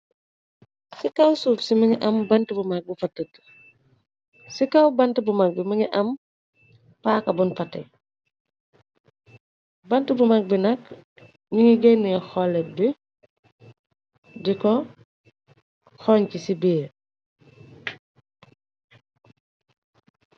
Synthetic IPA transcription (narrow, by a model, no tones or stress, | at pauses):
sikawsuːfsimɐŋiʔɐmbɐntibumak̚bufɐtːət | sikawbɐntibumak̚bimɐŋiʔɐm | paːkɐbunfɐtɛ̰ | bɐntibumak̚binɐk | ɲiŋiɡenujɛxɔlɛbi | dikɔ | xoɲkisibiː